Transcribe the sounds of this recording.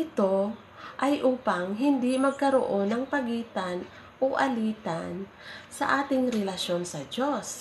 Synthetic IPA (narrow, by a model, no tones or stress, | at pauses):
ʔɪt̪o̞ | ʔɐjʔuːpɐŋɦɪnd̪imɐɡ̚kɐɾo̰ʔo̞nɐŋpɐɡiːt̪ɐn | ʔoʔɐliːt̪an | sɐʔaːt̪ɪŋɾɛlɐʃjo̞nsɐd͡ʒo̞s